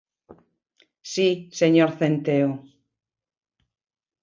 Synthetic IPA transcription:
siseɲoɾθent̪eo

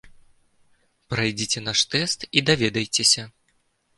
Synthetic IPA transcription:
pɾajd͡zʲit͡sʲɛn̪aʂt̪ɛst̪id̪avʲɛd̪ɐjt͡sʲesʲɐ

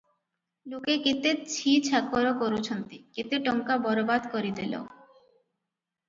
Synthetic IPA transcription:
lokekit̪et͡ɕʰit͡ɕʰakːoɾokoɾut͡ɕʰont̪ikit̪eʈɔŋkabɔɾobad̪koɾid̪elo̰

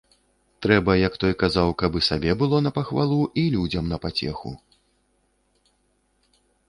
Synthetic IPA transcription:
t̪ɾɛbɐjɐkt̪ɔjkazawkɐbɨsabʲɛbɨlˠɔnɐpɐxvalˠuʔilʲud͡zʲɐmnɐpat͡sʲɛ̰xṵ

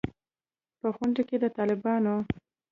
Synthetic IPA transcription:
pəxaɳɖeked̪ət̪ɑlɪbɑno

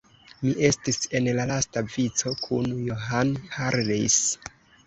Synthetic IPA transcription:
miʔe̞stise̞nlalastavit͡so̞kʰunjo̞ɦanhaɾlis

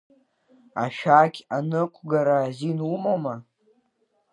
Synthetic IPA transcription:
a̰ʃᶣaːkʲanɨkʷʰɡaɾaːzinumoma

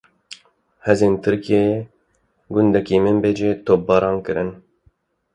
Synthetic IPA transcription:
hɛzeːnt̪ʰɨɾkie | ɡʊnd̪ɛkiːmɪmbeːd͡ʒeːt̪ʰoːp̚bɑːɾɑːnkɨɾɨn

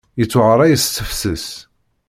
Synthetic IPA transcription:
jət͡sːʊʁəɾˤæjəsθəfsəs

